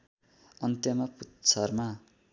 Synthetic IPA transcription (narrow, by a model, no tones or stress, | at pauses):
ʌnt̪jʌmʌput̪t͡sʰʌrma